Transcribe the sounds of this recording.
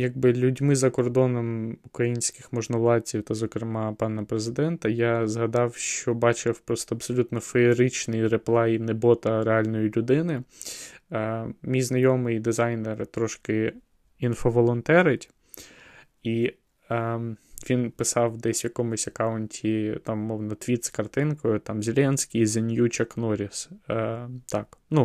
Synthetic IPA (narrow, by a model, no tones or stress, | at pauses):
jɐɡ̚bɪlʲʊdʲmɪzɐkɔrd̪ɔnɔmukɾɐjinʲsʲkɪxmɔʒnɔʋlˠɑt͡sʲiwt̪ɐzɔkɾɪmɑpɑnɐpɾezɪd̪ɛnt̪ɐjazɦɐd̪ɑwʃt͡ʃɔbɑt͡ʃɪwpɾɔst̪ɔɐbsɔlʲut̪nɔfeːɾɪt͡ʃnijɾeplˠɑjinebɔt̪ɐɾeɑlʲnɔjilʲʊd̪ɪnɪ | mʲijznɐjɔmɪjd̪ɪzɑjnert̪ɾɔʃkɪ | infɔʋɔlˠɔnt̪ɛɾɪtʲ | i | ʋʲinpɪsɑwd̪ɛsʲʋjɐkɔmʊsʲɐkɑʊnʲtʲʰit̪ɑmmɔwnɐt̪ʋʲit̪skɐrt̪ɪnkɔjʊt̪ɑmzʲelʲɛnʲsʲkʲijzʲenʲjut͡ʃɐknɔɾʲis | t̪ɑknu